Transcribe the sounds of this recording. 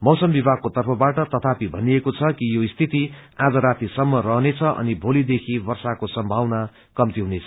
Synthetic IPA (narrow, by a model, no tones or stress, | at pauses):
mʌwsʌmbibʱaɡ̚kːot̪ʌrpʰʌbaʈʌt̪ʌt̪ʰapibʱʌniekot͡sʰʌkijoist̪ʰit̪iad͡zʌɾat̪isʌmːʌrʌɦnet͡sʰʌʔʌ̰nibʱolid̪ekʰibʌrsakosʌmbʱawna | kʌmt̪iɦunet͡sʰʌ̥